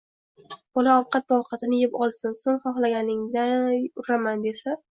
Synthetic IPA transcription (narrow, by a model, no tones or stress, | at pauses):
b̥ɒlaɒwqʰɑt̪̚bɒwqʰɑt̪ʰɪnɪjɪpɒlˠsɪnsoŋχɒχlˠaɡʲanɪŋd̪aʊɾamand̪e̞sa